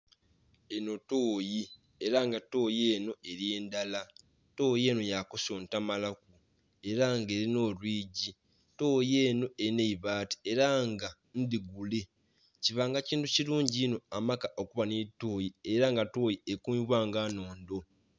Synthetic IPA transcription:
e̞no̞toːji | eɾaŋɡatoːjeːno̞e̞ɾje̞ːndala | to̞ːje̞ːno̞jakoso̞ːntamalak̚u | e̞ɾaŋɡe̞ːɾino̞ːlwiːɟi | to̞ːjeːno̞e̞ɾineiβaːti̥e̞ɾaŋɡa | ndiɡule̞ | ciβaːŋɡaciːntuciluːɲɟiːno̞amakaʔokuβanetːoːjieɾaŋɡato̞ːjiekuβwaːŋɡaːno̞ːndo̞

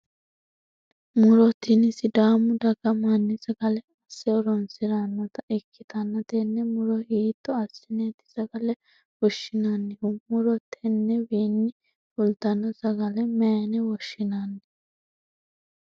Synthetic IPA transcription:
mʊɾɔt̪ɪnɪsɪd̪aːmʊd̪ɐɡɐmanːɪsɐɡɐlɛɐsːɛɔɾɔnsɪɾɐnːɐt̪ɐʔɛkʰːɪt̪ɐnːɐt̪ɛnːɛmʊɾɔhiːt̪ːɔɐsːɛnɛt̪ɪ̥sɐɡɐlɛ | wɔʃːɪnanːɪʊmʊɾɔt̪ʰːɛnːɛwiːnːɪ | fʊlt̪ɐnːɐsɐɡɐlɛmɛːnɛwɔʃːɪnanːɪ

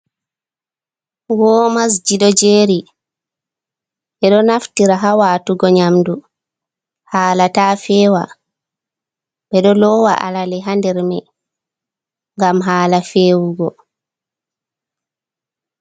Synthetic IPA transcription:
wɔːmas̬d͡ʒiɗɔd͡ʒeːɾi | ɓɛɗɔnaftiɾaɦawaːtuɡɔɲamdu | haːlatafɛːwa | ɓɛɗɔlɔwaʔa̰lalɛɦandɛɾmɛ | ŋɡamɦaːlafeːwuɡɔ

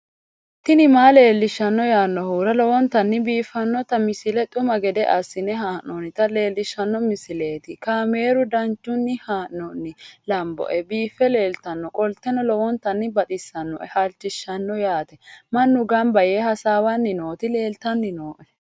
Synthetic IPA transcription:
t̪ɪnɪmaːle̞ːlːɪʃːɐnːɔjaːnːɔhuːɾɐlɔwɔnt̪ɐnːɪbiːfːɐnːɔt̪ɐmɪsɪlɛt̪ʼʊmɐɡɛd̪ɛʔɐ̰sːɪnɛɦaːʔnɔnːɪt̪ɐle̞ːlːɪʃːɐnːɔmɪsɪleːt̪ɪkaːme̞ːɾʊd̪ɐnt͡ʃːʊnːɪhaːʔnɔnːɪlɐmbɔ̰ʔɛbiːfɛle̞ːlt̪ɐnːɔkʼɔlt̪ɛnɔlɔwɔnt̪ɐnːɪbɐt̪ʼɪsːɐnːɔ̰ʔɛhɐlt͡ʃːɪʃːɐnːɔjaːt̪ɛmɐnːʊɡɐmbɐjeːhɐsaːwɐnːɪnoːt̪ɪle̞ːlt̪ɐnːɪnoːʔɛ

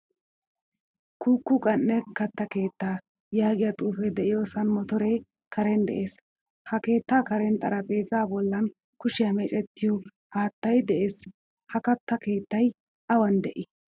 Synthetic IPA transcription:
kʰuːkːʊkʼɐnːɛkɐt̪ːɐke̞ːt̪ːaː | jaːɡɪjɐt̪ʼuːfɛd̪ɛʔɪjoːsɐnmɔt̪ɔɾej | kʰɐɾɛnd̪ɛ̰ʔe̞ːs | hɐke̞ːt̪ːaːkɐɾɛnt̪ʼɐɾɐpʼe̞ːzaːbɔlːɐn | kʊʃɪjɐmɛt͡ʃʼɛt̪ːɪjɔ | aːt̪ːɐjd̪ɛʔe̞ːs | hɐkɐt̪ːɐke̞ːt̪ːɐj | ɐwɐnd̪ɛʔɪ

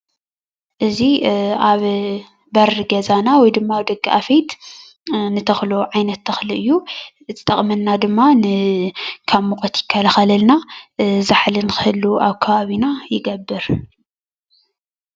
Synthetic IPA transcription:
ʔɨziaβ | bɐɾɨɡɐzanawɔjd̪ɨmːaβd̪ɐɡːiʔafɐjt̪ | nɨt̪ʰɐxloʕajnɐt̪ːʰɐxlɨʔɨjːu | zʰɨt̪ʼɐχʼmɐnːad̪ɨmːanɨ | kʰaβmukʼɐt̪jɪkʰːɐlaxɐlɐlnazaħlɨnɨxɨhɨlːuʔaβkʰɐβaβinajɪɡɐbːɨɾ

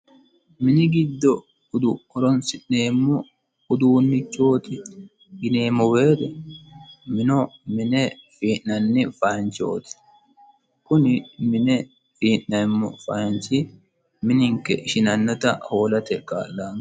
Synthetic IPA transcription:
mɪnɪɡɪd̪ːɔ | ʊd̪ʊɔɾɔnsɪʔne̞ːmːɔ | ʊd̪uːnːɪt͡ʃːo̞ːt̪ɪ | ɡɪne̞ːmːɔweːt̪ɛ | mɪnɔmɪnɛfiːʔnɐnːɪfɐːnt͡ʃo̞̰ːt̪ɪ̥ | kʊnɪmɪnɛ | fiːnnɐɪmːɔfɐːnt͡ʃɪ | mɪnɪŋkːɛʔɪʃɪnɐnːɔt̪ɐho̞ːlɐt̪ɛkʼa̰ːlːaːn

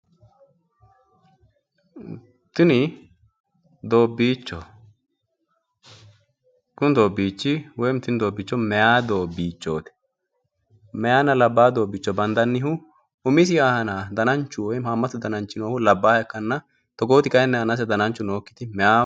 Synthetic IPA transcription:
t̪ːɪnɪ | d̪o̞ːbːiːt͡ʃːɔ | kʊnd̪o̞ːbiːt͡ʃːɪwɔjmt̪ːɪnɪd̪oːbːɪt͡ʃːɔmɛjaːd̪o̞ːbːiːt͡ʃːoːt̪ɛ̥ | mɛjaːnɐlɐbːaːd̪o̞ːbːɪt͡ʃːɔbɐnd̪ɐnːɪɦʊ | ʊmɪs̬ɪjaːhɐnaːd̪ɐnɐnt͡ʃːʊwɔjmaːmːɐt̪ːʊd̪ɐnɐnt͡ʃːɪnoːhʊlɐbːaːɛkːɐnːɐ | t̪ɔɡo̞ːt̪ɪkʼɐjnːɛɐnɐs̬ɛd̪ɐnɐnt͡ʃːʊno̞ːkːɪt̪ɪmɛjaː

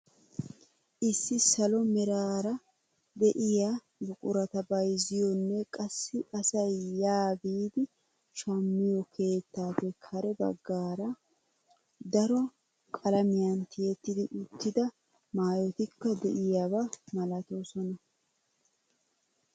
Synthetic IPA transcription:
ʔɪsːɪsɐlɔmɛɾaːɾɐ | d̪ɛʔɪja | bʊkʼʊɾɐt̪ɐbɐjzɪjɔnːɛkʼɐsːɪɐsɐjːaːbiːd̪ɪ | ʃɐmːɪjɔkʰe̞ːt̪ːaːpɛkʰɐɾɛbɐ̰ɡːaːɾɐ | d̪ɐɾɔ | kʼɐlɐmɪjɐnt̪ɪjɛt̪ːɪd̪ɪʔʊt̪ːɪd̪ɐ | maːjɔt̪ɪkːɐd̪ɛ̰ʔɪjabɐmɐlɐt̪osɔnɐ

